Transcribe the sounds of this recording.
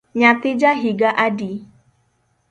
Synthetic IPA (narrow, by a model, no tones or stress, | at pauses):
ɲat̪ɪd͡ʒaɦiɡaʔadi